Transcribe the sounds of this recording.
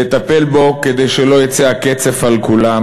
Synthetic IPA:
et̪apelbo̞ked̪ejʃelo̞jat͡seaket͡se̞falkulam

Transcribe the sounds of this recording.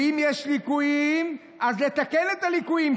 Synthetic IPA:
imjeʃlikujim | azlet̪akenet̪alikujim

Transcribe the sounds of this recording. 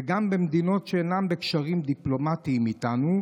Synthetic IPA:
eɡambemd̪ino̞t̪ʃeenambekʃaʁimd̪iplo̞mat̪imit̪anu

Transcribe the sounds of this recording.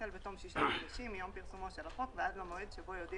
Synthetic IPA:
elbet̪omʃiʃad̪aʃimːijompiʁsumotʃelafot̪veʔad̪lamoed̪ʃebojod̪i

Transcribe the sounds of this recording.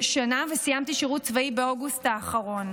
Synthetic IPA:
ʃanavesijamt̪iʃiʁut̚t͡svaibeoɡustaːχɐʁo̞n

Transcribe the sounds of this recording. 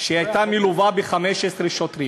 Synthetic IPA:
ʃeajt̪amiluvabeχameʃesʁeʃot̪ɾi

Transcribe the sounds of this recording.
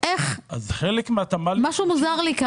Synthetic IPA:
ʔeχazχelekmeat̪amamaʃumuzaʁlika

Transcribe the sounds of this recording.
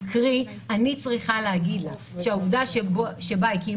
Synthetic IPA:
kʁi | anit͡sʁiχalehaɡid̪lo | ʃeauvdaʃbʃebaiki

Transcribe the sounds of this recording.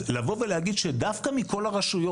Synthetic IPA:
lavo̞velehaɡid̪ʃe̞d̪afkamiko̞laʁaʃujo

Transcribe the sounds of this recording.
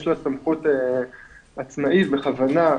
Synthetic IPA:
ʃloatamχut̪e | at͡smaʔitbeχavana

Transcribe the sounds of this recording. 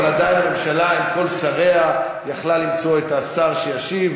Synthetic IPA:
lad̪ajnamemʃalaimko̞lsaʁe̞a | jaχlalːimt͡so̞et̪asaʁʃejaʃiv

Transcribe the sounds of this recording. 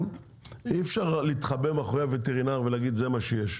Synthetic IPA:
ifʃaʁlit̪χabemaχʁejave̞t̪eʁinaʁvelaɡid̪ze̞maʃejeʃ

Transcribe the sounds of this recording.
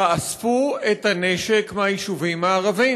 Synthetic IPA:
aasfuethaneʃekmajiʃuvimaːʁavi

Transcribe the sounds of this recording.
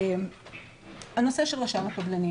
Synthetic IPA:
m | hanose̞ʃelʁaʃamakablani

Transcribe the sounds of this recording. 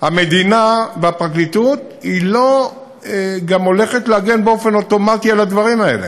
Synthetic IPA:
hame̞d̪inaveapʁaklitut̪ | hilo̞ | eɡamo̞le̞χetleaɡe̞nbeo̞fe̞no̞to̞matialad̪vaʁimae̞̰lḛ

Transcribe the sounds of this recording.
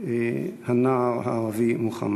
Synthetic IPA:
hanaːʁha̰ːʁavimuχa̰m

